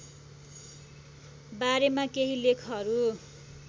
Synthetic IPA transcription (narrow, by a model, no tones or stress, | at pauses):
baɾemakeɦilekʰʌɾu